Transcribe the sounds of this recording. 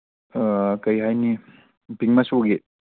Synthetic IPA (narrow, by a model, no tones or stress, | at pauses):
kɐjɦajni | piŋmasoɡe